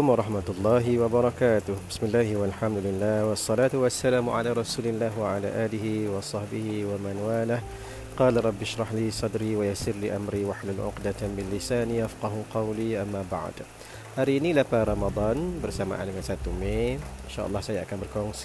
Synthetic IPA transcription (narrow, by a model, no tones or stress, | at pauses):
ʊmɾˤɑħmat̪lˤːɑːɦɪwabɑɾˤɑkaːt̪ʊhbɪsmɪlːaːhwalħamd̪ʊlɪlːaːhwɑsˤːɑlaːt̪wasːalaːmʊʕa̰laːɾˤɑsuːlɪlːaːɦwaʕala̰ːʔaːlɪɦiwɑsˤɑħbɪhiwamanwaːlah | qɑːlɾˤɑbːɪʃɾˤɑħliːsˤɑd̪ɾiːwajasɪɾliːʔamɾiːwaħlʊnʕʊ̰qd̪at̪mɪlːɪsaːnjafqɑɦʊqɑwliːʔamːaba̰ʕd̪ | ʔaɾiːnilapaɾˤɑmɑd̪ˤɑːnbɪɾsama̰ʕanakasat̪ːʊmːeːɪnʃa̰ːʔɑlˤːɑːhsaja̰ʔkambɪɾkoŋs